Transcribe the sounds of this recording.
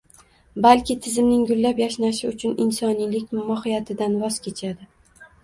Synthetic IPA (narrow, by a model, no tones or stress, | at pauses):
balkʲɪt̪ʰɪzɪmnɪŋɡʊlːapjaʃnaʃɪʊt͡ʃʰʊnɪnsɒnilɪkʲmɒhɪjat̪ʰɪd̪anvɒz̥kʲʰe̞t͡ʃʰad̪ɪ